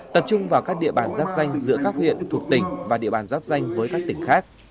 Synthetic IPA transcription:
t̪ə˨˩p̚t͡ɕʊ˧ŋ͡mvaː˨˩wkaː˦˥k̚ɗḭ˧˨əɓaː˧˩nzaː˦˥p̚za˧jŋ̟zɨ̰˧˥kaː˦˥k̚hwḭ˧˨ənt̪ʰu˨˩ək̚t̪ï˨˩ŋ̟vaː˨˩ɗḭ˧˨əɓaː˧˩nzaː˦˥p̚za˧jŋ̟vəː˨˦jkaː˦˥k̚t̪ï˧˩ŋ̟xaː˦˥k̚

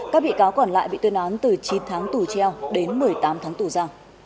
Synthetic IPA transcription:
kaː˦˥k̚ɓḭ˧˨kaː˨˦wkɔ˧˩nla̰ː˧˨jɓḭ˧˨t̪ɨ˧ənʔaː˨˦nt̪ɨ˨˩t͡ɕi˨˦nt̪ʰaː˨˦ŋt̪u˧˩t͡ɕɛ˧wɗe˨˦nmɨ˨˩əjt̪aː˨˦mt̪ʰaː˨˦ŋt̪u˧˩zaː˧w

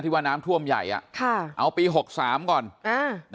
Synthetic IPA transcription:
t̪ʰiː˥˩waː˥˩naː˦˥mt̪ʰu˥˩əmja̰˨˩jʔa̰˨˩ʔkʰa˥˩ʔa˧wpiː˧ɦo˨˩k̚saː˩˦mkɔː˨˩nʔaː˧˩n

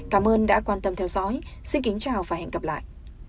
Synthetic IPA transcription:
kaː˨˦mʔəː˧nɗa̰ː˧˥kwaː˧nt̪ə˧mt̪ʰɛ˧wzɔ̰˧˥jsi˧nki˨˦ŋ̟t͡ɕaː˨˩wfaː˧˩jhɛ̰˧˨ŋkə˨˩p̚la̰ː˧˨jʔ

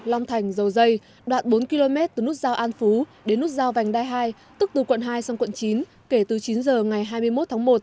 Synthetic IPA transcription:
la˧wŋ͡mt̪ʰa˨˩jŋ̟zə˨˩wzə˧j | ɗwa̰ː˨nɓo˨˦nki˧lo˧mɛ˦˥t̚t̪ɨ˨˩n˦˥t̚zaː˧wʔaː˧nfu˨˦ɗe˨˦nːu˦˥t̚zaː˧wva˨˩ŋ̟ɗaː˧jɦaː˧j | t̪ɨ˦˥k̚t̪ɨ˨˩kwə̰˧˨nɦaː˧jsa˧wŋ͡mkwə̰˧˨nt͡ɕi˨˦n | ke˧˩t̪ɨ˨˩t͡ɕi˨˦nzəː˨˩ŋa˨˩jɦaː˧jmɨ˧əjmo˦˥t̚t̪ʰaː˨˦ŋmo˨˩t̚

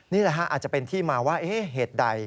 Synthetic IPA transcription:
niː˥˩lɛ˦˥kʰa˦˥ʔaː˨˩t͡ɕa˨˩pe˧nt̪ʰiː˥˩maː˧waː˥˩ʔeː˦˥ɦeː˨˩t̪̚da˧j

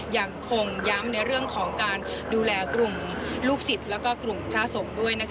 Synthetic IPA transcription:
ja˧˩ŋkʰo˧ŋja˦˥mna˧jɾɯ˥˩əŋkʰɔː˩˦ŋkaː˧nduː˧lɛː˧kɾu˨˩m | luː˥˩k̚si˨˩t̪̚lɛː˦˥wkɔː˥˩kɾu˨˩mpʰɾaː˦˥˩so˩˦ŋdu˥˩əjna˦˥kʰ

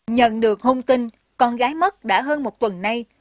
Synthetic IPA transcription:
ɲə̰˧˨nɗɨ˨˩ək̚hə˧wŋ͡mt̪ï˧n | kɔ˧nɣaː˨˦jmə˦˥t̚ɗa̰ː˧˥ɦəː˧nmo˨˩t̚t̪wə˨˩nːa˧j

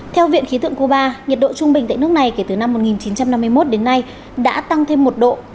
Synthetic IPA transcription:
t̪ʰɛ˧wvḭ˧˨ənxi˨˦t̪ʰɨ̰˧˨əŋko˧ɓaː˧ɲə˨˩t̚ɗo̰˧˨t͡ɕʊ˧ŋ͡mɓï˨˩ŋt̪a̰ː˧˨jnɨ˦˥ək̚na˨˩jke˧˩t̪ɨ˨˩na˧mːo˨˩t̚ŋi˨˩nt͡ɕi˨˦nt͡ɕa˧mna˧mːɨ˧əjmo˦˥t̚ɗe˨˦nːa˧j | ɗa̰ː˧˥t̪a˧ŋt̪ʰe˧mːo˨˩t̚ɗo̰˧˨

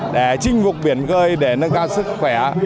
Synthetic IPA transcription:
ɗe˧˩t͡ɕï˧ŋ̟vʊ˨˩k͡p̚ɓi˨˧˩ənɣəː˧jɗe˧˩nə˧ŋkaː˧wsɨ˦˥k̚xwɛ˧˩˨

